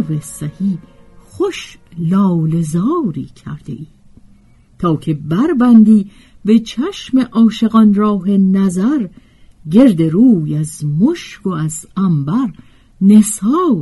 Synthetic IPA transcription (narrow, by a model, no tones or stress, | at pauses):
vesæhiːχoʃlɒːle̞zɒːɾḭːcʰæ̰ɾd̪̥e̞̰ʔiː | t̪ʰɒːcʰe̞bæɾbænd̪iː | be̞t͡ʃʰæʃme̞ʔɒːʃe̞ɣɒnɾɒːɦe̞næzæɾ | ɟe̞ɾd̪e̞ɾuːjæzmoʃkoæzæmbæɾ | ne̞sɒː